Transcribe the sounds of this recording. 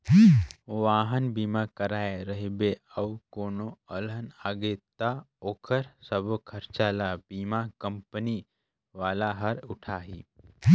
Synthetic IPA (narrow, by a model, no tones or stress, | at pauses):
ʋaːɦənbiːmakəɾaːeɾəɦibeəʋkoːnoələnaɡet̪a | oːkʰəɾsəbkʰəɾt͡ʃalabiːmakəmpəni | ʋaːlaɦəɾʊʈʰaɦiː